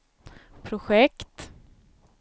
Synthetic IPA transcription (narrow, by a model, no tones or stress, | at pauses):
pʰɾʊɧɛkt̪